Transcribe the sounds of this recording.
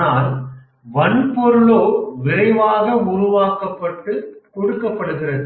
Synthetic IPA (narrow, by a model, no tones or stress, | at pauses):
aːl | ʋɐnpɔɾɯɭoːʋɪɾɐɪʋaːɣɐmʊrʊʋaːkɐpːɐʈːɯkɔɽɯkːɐpːɐɽɯɣɪrɐðɯ